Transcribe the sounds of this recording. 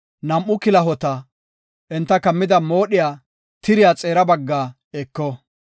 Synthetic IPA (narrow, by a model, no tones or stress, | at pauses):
nɐmʔʊkɪlɐɦɔt̪ɐ | ʔɛnt̪ːɐkɐmːɪd̪ɐmo̞ːɗɪjaː | t̪ɪɾɪjaːt͡sʼe̞ːɾɐbɐɡːaː | ɛkːɔ